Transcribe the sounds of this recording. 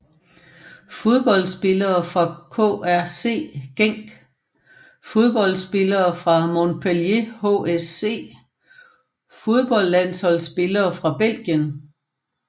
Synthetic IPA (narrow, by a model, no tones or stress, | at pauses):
fo̝ðˠb̥ɒ̽l̰sb̥e̝lɐːfʁɑ̈kʰo̰ːæɐse̝̰ːɡ̥eŋ̰ɡ̥ | fo̝ð̞ˠb̥ɒ̽l̰sb̥e̝lɐːfʁɑ̈mo̝npʰoljehoese̝̰ː | fo̝ð̞ˠb̥ɒ̽l̰ːæn̰shɒ̽l̰sb̥e̝lɐːfʁɑ̈b̥el̰ɡ̥jən